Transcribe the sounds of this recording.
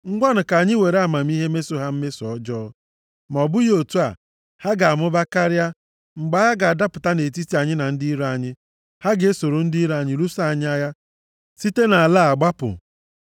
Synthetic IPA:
ŋ̩˦ɡʷa˦nʊ˨ka˨ɲɪ˦we˨ɾa˨ma˨m̩˦i˦ɦe˦me˦so˦ɦa˦m̩˦me˦sɔ˦d͡ʒɔː˦ | m˨ɔ˨bʊ˦jo˨tu˦a̰˨ | ha˦ɡa˨a˨mʊ˦ba˦ka˦ɾɪ˦a˦ | ŋ͡m̩˨ɡ͡ba˦ja˦ɡa˨a˨da˦pʊ˨ta˦ne˨t̬i˦ti˨a˨ɲɪ˦na˨n̩˦di˦ɾa˨ɲɪ˦ | ha˦ɡe˨e˦so˨ɾo˨n̩˦dɾa˨ɲɪ˦ɾu˦sa˦˨a˨ɲɪ˦a˦ja˦ | si˦te˦na˨a˨la˦a˨ɡ͡ba˦pʊ̰˨

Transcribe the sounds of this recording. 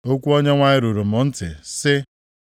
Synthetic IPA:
o˦kʷu˦o˦ɲe˦ŋʷa˦ɲɪ˦ɾu˨ɾu˨mʊ˨n̩˦tɪ̰˨sɪ˦

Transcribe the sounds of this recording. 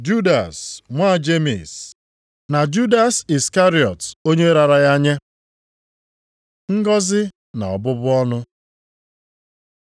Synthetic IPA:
d͡ʒu˦da̰˨sŋʷa˦˨d͡ʒe˦mḭ˨s | na˨d͡ʒu˦da˨si˨ska˦ɾi˨ɔ˨to˦ɲe˦ɾa˨ɾa˨ja˦ɲe˦ | ŋ̩˦ɡɔ˦zɪ˦ | na̰˨ɔ̰˨bʊ˦bʊ˦ɔ˦nʊ˦

